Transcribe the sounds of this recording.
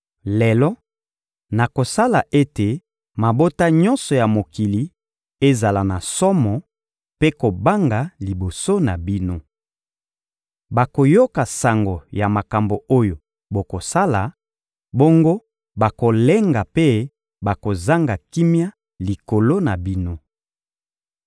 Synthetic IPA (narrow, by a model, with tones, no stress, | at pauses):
le˨lɔ˦ | na˨ko˨sa˦la˨ʔe˦te˨ | ma˨bo˦ta˦ɲɔ̃˦nsɔ˨ja˨mo˨ki˨li˨ | e˦za˨la˨na˨sɔ˦mɔ˨ | pe˦ko˨ba˦ŋɡa˨li˨bo˨so˦na˨bi˦no˦ | ba˨ko˨jo˦ka˨sa˨ŋɡo˨ja˨ma˨ka˨mbo˨o˦jo˨ | bo˨ko˨sa˦la˨ | bo˦ŋɡo˦ | ba˨ko˨le˦ŋɡa˨pe˦ | ba˨ko˨za˦ŋɡa˨ki˦mja˦ | li˨ko˨lo˦na˨bi˦no˦